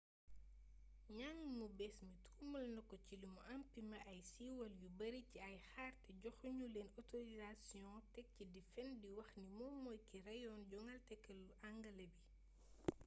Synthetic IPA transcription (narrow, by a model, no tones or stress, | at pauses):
ɲaŋmubɛsmitʰuːmɐlnɐkːɔcilumuʔɐmpimɐʔɐjsiwɐljubɐɾiciɐjxaːrtɛɟɔxuɲulɛnɔtoɾizasijɔ̃tɛk̚cidifɛndiwɐxnimɔːmɔːjkiɾɛjɔnɟɔŋɐltɛkːɛlːuʔaŋɡɐlɐbi